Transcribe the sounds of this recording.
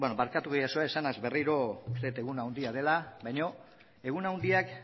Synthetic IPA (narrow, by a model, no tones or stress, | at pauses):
benoβaɾkat̪uɣejasuaesanazbe̞riɾo̞ust̪e̞ut̪e̞ɣunawnd̪iað̞e̞labajɲo̞ | e̞ɣunawnd̪iak